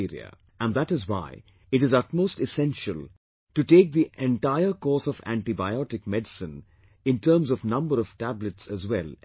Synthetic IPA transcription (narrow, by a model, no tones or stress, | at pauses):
iɾḭə̰ | æ̃nd̪æʈɪzwa̰ɪ | ɪʈɨzʌtmoːsʈɪsɛ̃nʃəl | ʈuʈeːk̚d̪iʔɛ̃nʈaɪəɾkɔːsɔvæ̰̃ɳʈibaɪɔʈɪkmɛɖɪsɨ̃n | ɪ̃nʈʰəɾmzɔvnʌ̃mbəɾɔv̥ʈæbləʈsæzwɛl